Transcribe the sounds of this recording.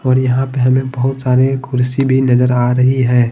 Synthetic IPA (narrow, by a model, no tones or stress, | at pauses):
ɔːɾjɐɦãpeɦɐmẽbɐɦʊt̪saːɾekʰʊɾsibʱinɐzəɾaːɾɐɦiɦɛ̃ː